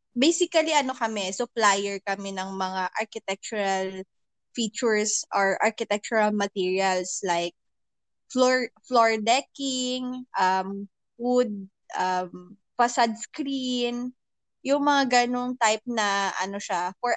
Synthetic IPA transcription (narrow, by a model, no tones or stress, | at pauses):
bejsɪkɐliʔɐno̞kɐmɛsʊplajɛɹkɐmɛnɐŋmɐŋaʔɐɹkɪt̪ɛk̚t͡ʃʊɹɐl | fit͡ʃʊɹsʔɔɹʔa̰ɹkɪt̪ɛk̚t͡ʃʊɹɐlmɐt̪iːɹiɐlslajk̚ | floɹfloɹd̪ɛkɪŋʔɐm | fud̪̚ | ʔɐm | pɐsad̪̚skɾin | jʊŋmɐŋaɡɐnoŋt̪ajp̚nɐʔɐ̰noʃafɔɹ